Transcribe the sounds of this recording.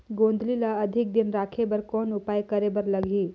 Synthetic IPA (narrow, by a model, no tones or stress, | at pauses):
ɡõːnd̪ʱlilaɐd̪ʱɪk̚d̪ɪnɾaːkʰebəɾkɔːnʊpaːjkɐɾebɐɾlɐɡʱiː